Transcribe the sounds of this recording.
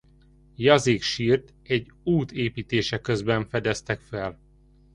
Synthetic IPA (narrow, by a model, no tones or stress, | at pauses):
jɒzeːkʃiːrt̪ | ɛɟːuːt̪eːpiːt̪eːʃɛkøzbɛɱfɛd̪ɛst̪ɛkfɛl